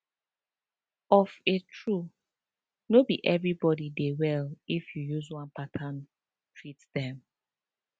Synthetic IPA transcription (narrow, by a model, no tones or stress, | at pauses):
ɔfetʰɹu | nobiʔɛvɹibɔdidewɛlifjujuzwãnpatʰan | tʰɹitdɛ̃m